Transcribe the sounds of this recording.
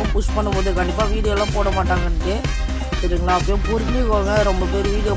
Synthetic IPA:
bʊsʈpɐɳːɯpoːðɯkɐɳɖɪpːaːʋiːɽɪjɛlːãːpoːɽɐmaːʈːaːŋɡɐnːɯkːɯ | ɪɾɯkːɐnãːɐp̬ːɐjõːpʊɾɪɯkoːɣɐɾɔmbɐpeɾɯʋiːðɪjɐ

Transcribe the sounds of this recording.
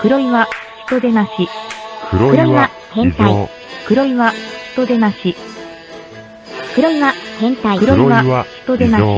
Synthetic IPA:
kɯ̟ɾo̞iβaçi̥t̪o̞d̪e̞naɕi | kɯ̟ɾoiβa | hẽt̪ai | kɯ̟ɾo̞iβaçi̥t̪o̞d̪e̞naɕi | kɯ̟ɾoiβahẽnt̪aikɯ̟ɾoiβaçi̥t̪o̞d̪e̞naɕ

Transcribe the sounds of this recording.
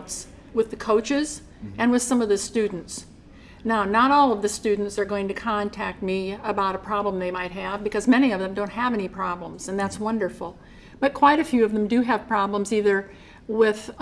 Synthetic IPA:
ts | wɨðɨkʰoʊt͡ʃɪz | ɨ̃nwɨð̥sʌ̃mʌvðɨstʉdⁿn̩ts | naʊnəɾɔlˠʌvðɨstʉdⁿn̩tsə˞ɡoʊɪ̃ŋtɨkʰɑ̃ntʰæk̚t̚miəbaʊɾəpʰɹ̥ɑblə̃mðeɪmaɪt̚ɦɨvbɨkʰʌzmɛñiʌvðɨ̃mdõʊ̃nt̚ɦəvɛnipʰɹ̥ɑblə̃mz̥ɨ̃nðætswʌ̃ndə˞fl̩ˠ | b̥ʌt̚kʰw̥aɪɾɨfjʉʌvðə̃mdɨɨv̥pʰɹ̥ɑblə̃mziðə˞ | wɪð

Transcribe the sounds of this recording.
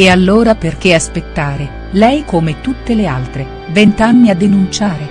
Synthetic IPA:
ealːoːɾaperk̟easpet̪ːaːɾe | lɛjkomet̪ut̪ːelealt̪ɾe | vent̪anːiad̪ːenunt͡ʃaːɾe

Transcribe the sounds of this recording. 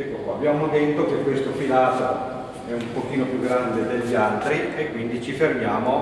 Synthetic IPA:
ɛkːokaabjaːmod̪et̪ːokekwest̪okilaːza | ɛumpok̟iːnopjuɡɾand̪ed̪eʎːalt̪ɾiekwind̪it͡ʃifermjaːmo

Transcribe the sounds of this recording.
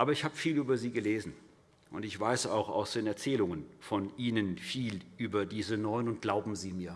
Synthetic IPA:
ʔaːbɐɪçhaːbəfiːlyːbɐziːɡəleːzn̩ | ʔʊntɪçv̥aɪsa̰ʊxa̰ʊsd̥eːnɛɐt͡sɛːlʊŋənfɔnʔiːnənfiːlʔyːbɐdiːzənɔʏənʊnt̚ɡ̥laʊbm̩ziːmiːɐ

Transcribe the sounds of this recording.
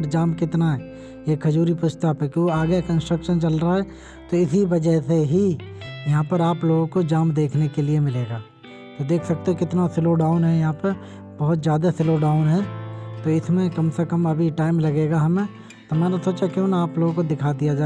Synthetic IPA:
əɾd͡ʒaːmkɪt̪naɦɛ | ekʰːɐd͡ʒuːɾipʊst̪apekioaːɡəkə̃nsʈɾəkʃənt͡ʃɐlɾaaɦɛ | t̪oɪsibɐd͡ʒəɦseɦijɐɦãpɐɾaːploːɡõkod͡ʒaːmd̪eːkʰnekeliemɪleːɡaː | t̪od̪eːkʰsɐk̚t̪eɦẽkɪt̪nasɪloːɖaːʊnɦɛjɐɦãpɐɾ | bɐɦʊt̪zjaːd̪asɪloːɖaːʊnɦɛːt̪oɪsmẽkɐmsekɐmɐbʱiʈaːɪmlɐɡeːɡaɦɐmẽ | t̪omɛːnasoːt͡ʃakjõːnaaːploːɡõkod̪ɪkʰaːd̪ijad͡ʒaː

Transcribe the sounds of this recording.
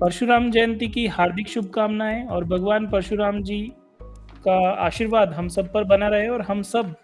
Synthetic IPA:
pɐɾʃuɾaːmd͡ʒɐjə̃nt̪ikiɦaːɾd̪ʱɪkʃʊb̚ʱkaːmnaɦɛ̃ɔːɾbʱɐɡʋaːnpɐɾʃuɾaːmd͡ʒiː | kaa̰ːʃiːɾʋaːd̪ɦɐmsɐb̚pɐɾbɐnaɾɐɦeɔːɾɦɐmsɐb̚

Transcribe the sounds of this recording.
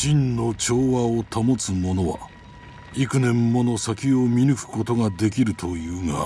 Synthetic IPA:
ɕĩnːo̞t͡ɕo̞ːβaot̪ʰamo̞t͡sɨmo̞no̞βa̰ | ikɯ̟nẽ̞mːo̞no̞sakʲio̞mʲinɯ̟kɯ̟̥ko̞t̪o̞ɡad̪e̞k̬ʲiɾɯ̟t̪ʰo̞jɯ̟ːŋa̰

